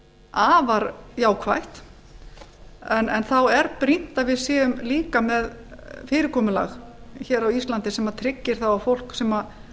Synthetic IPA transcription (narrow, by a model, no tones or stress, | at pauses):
aːvaɾjaːwkʰva̰jht̪ | ɛnɛnθawɛɾpɾin̥t̪avɪðsɛːʏmliːkamɛðfɪːɾɪɾkʰɔːmʏla̰ɣçɛːɾawist̪lant̪ɪsɛmat̪ʰɾɪcːɪɾ̥θawawfowl̥ksɛma